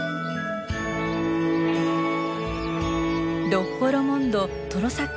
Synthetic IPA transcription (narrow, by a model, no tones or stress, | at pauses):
dopːoɾomõnd̪o | t̪oɾosak